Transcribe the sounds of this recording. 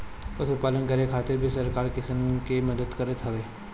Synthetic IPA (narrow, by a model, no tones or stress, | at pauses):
pɐsupaːlənkɐɾekʰaːt̪ɪɾbʱisɐɾkaːɾkɪsəmkemɐd̪əd̪kɐɾət̪ɦɐʋeː